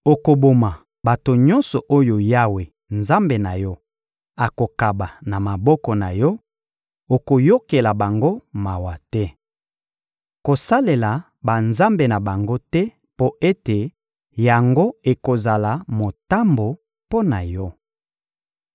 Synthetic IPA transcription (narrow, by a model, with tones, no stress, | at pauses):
o˨ko˨bo˨ma˨ | ba˨to˨ɲɔ˦nsɔ˨ʔo˦jo˨ja˦we˨ | nza˦mbe˨na˨jɔ˦ | a˨ko˨ka˨ba˨na˨ma˨bɔ˦kɔ˨na˨jɔ˦ | o˨ko˨jo˦ke˨la˨ba˨ŋɡo˦ma˨wa˨tɛ˦ | ko˨sa˦le˨la˨ | ba˨nza˦mbe˨na˨ba˨ŋɡo˦tɛ˦ | po˦ʔe˦te˨ | ja˨ŋɡo˦e˨ko˨za˨la˨mo˨ta˦mbo˨ | po˦na˨jɔ˦